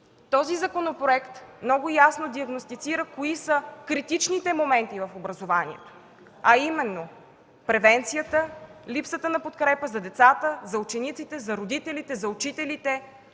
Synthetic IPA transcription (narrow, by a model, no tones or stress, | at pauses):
t̪ɔzizɐkonopɾoɛkt̪mnɔɡʊjasnod̪iɐɡnost̪it̪siɾəkoisəkɾit̪it͡ʃnit̪ɛmomɛnt̪ivɐfobɾɐzovanḭɛ̰t̪o̥ | ɐimɛnːo | pɾɛvɛnt̪sijət̪əlipsət̪ənɐpot̪kɾɛpəzɐd̪ɛt̪sat̪əzɐut͡ʃɛnit̪sit̪ɛzɐɾod̪it̪ɛlit̪ɛzɐut͡ʃit̪ɛlit̪ɛ